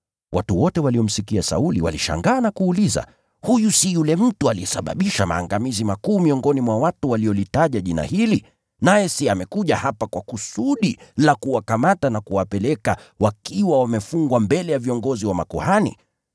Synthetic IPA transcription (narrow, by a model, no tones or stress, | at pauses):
wʔatuwɔtɛwaliɔm̩sikiasa̰uliwa̰liʃa̰ŋɡaːnakuːliza̰ | hujusijulɛm̩tualiɛsa̰ɓa̰ɓiʃama̰ːŋɡamizimakuːmiɔŋɡɔnimwawatuwaliɔlitaʄaʄina̰hili | najɛsiamɛkuʄahapakwakusuɗilakuwakamatanakuwapɛlɛkawakiwawamɛfuŋɡwambɛlɛjaviɔŋɡɔziwama̰kɔ̰hanḭ